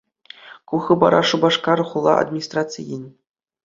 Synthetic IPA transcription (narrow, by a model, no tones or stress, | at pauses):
kuxɤbɑ̰ɾɑʂubɑʂkɑɾɤχulˠːɑ̰ʔa̰d̪mʲinʲisʲt̪ratt͡sɨjinʲ